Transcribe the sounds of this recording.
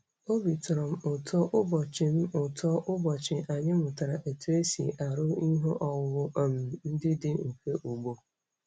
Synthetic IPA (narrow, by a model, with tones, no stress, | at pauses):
o˦bi˨tʰɾɔ̃˨mʊ˨tʰɔ˦ʔʊ˦bɔ˨t͡ʃʰɪ̃˦m˦ʊ˨tʰɔ˦ʔʊ˦bɔ˨t͡ɕʰɪ̃˨ʔa˨ɲɪ̃˦mʊ̃˨tʰa˨ɾa˨ʔe˨tʰu˦e˦si˨ʔa˨ɾʊ˦ɲi˦ɦʊ̃˦ʔɔ˨wwʊ˦a˨m˨n̩˦dɪ˦dɪ˦ŋ̩˨ke˦ʔo˨bo˦